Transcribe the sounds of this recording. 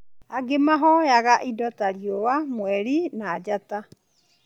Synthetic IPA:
aɡemaɦɔjaɣaʔidɔtaɾiowamwɛɾinaːd͡ʑata

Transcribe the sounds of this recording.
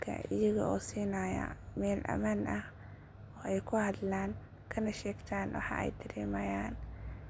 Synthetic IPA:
kʰɐ̰ʔɪ̰jɐɣɐʔɔːsiːnaːjɐ̰mɛːlʔɐ̰maːnɐh | ɔːɛjkʰʊhɐd̪laːn | kʰɐnɐʃɛːɡt̪ʰaːnwɑ̰ħɑ̰ɛ̰jd̪ɐɾɛːmɐːjaːn

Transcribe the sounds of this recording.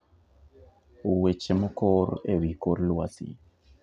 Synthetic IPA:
wet͡ʃemokoɾewikoɾlwasḭ

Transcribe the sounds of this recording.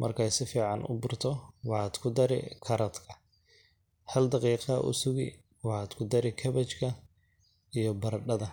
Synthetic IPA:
mʔɐ̰rkʰɛjsɪfiːʕɑnʊ̰bʊrt̪ʰɔwɑħɑːd̪kʰʊd̪ɐɾɪ̰kʰɐɾɐd̪kʰɐ̥ | hɐld̪ɑqiːqʔʊ̰sʊɣḭ | wɑħɑd̪kʰʊd̪ɐɾɪkʰɐβɐt͡ʃkʰɐ | ijɞbɐɾɐɖɐðɐ

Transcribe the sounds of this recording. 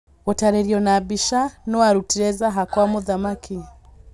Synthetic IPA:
ɣɔtaɾɛɾjɔnabiʃanɔwaɾutiɾɛzaɦakwamuðamaki

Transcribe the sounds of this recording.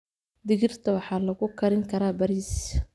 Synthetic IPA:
d̪ɪɣɪrt̪ʰɐwɑħɑːlɐɣʊkʰɐɾɪŋkʰɐɾaːbɐɾiːs

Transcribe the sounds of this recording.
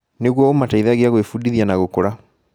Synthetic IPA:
neɣwɔomataiðaːɣeaɣwefudiðianaɣokoɾa

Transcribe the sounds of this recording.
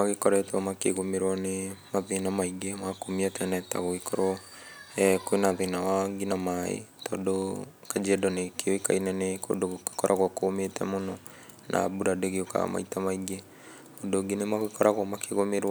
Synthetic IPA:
maɣekɔɾɛtɛɔmakḛɣomeɾwɔnemaðenamaiɡemakomiatɛnɛta̰ɣoikɔɾwɔ | ɛkwenaðenawaɡinamaḛtɔːdo | kad͡ʒɛdɔnekeoika̰inɛneko̰doɣoke̥kɔɾʔaɣwakometɛmonɔ | nʔa̰buɾadeɣeoka̰ma̰itamaiɡe | odoɡinemaɣokɔɾʔaɣwɔmakeɣomeɾw

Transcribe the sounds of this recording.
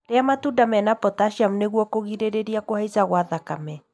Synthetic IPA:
ɾeamatudamɛnapɔtaʃiamuneɣwɔkoɣiɾeɾeɾiakohaizaɣwaðakamɛ

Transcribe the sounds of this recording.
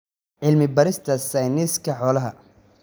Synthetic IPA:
ʕɪlmɪbɐɾɪst̪ʰɐsɐjnɪskʰɐħɔːlɐɦɐ

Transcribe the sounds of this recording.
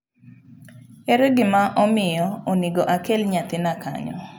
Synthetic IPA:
eɾeɡɪmaʔɔmɪjɔoniɡɔʔakelɲat̪ɪnaka̰ɲɔ̰

